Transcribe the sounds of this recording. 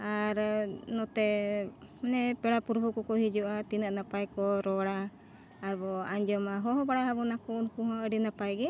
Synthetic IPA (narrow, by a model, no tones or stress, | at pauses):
aɾnɔt̪ɛ | nɛpɛɽapuɾbʱukɔkɔɦid͡ʒuʔat̪inaʔnapajkɔɾɔɽaː | ɾbɔaɲd͡ʒɔmaɦɔɦɔbaɽaɦabɔnakunkuɦɔ̃əɖinapajɡɛ